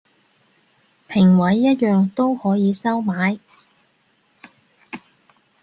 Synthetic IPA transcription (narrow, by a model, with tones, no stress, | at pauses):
pʰɪ˨˩ŋwɐ˨˥jːɐ˥t̚jœː˨ŋt̪o˥whɔː˨˥jiː˨˧sɐ˥wmaː˨˥j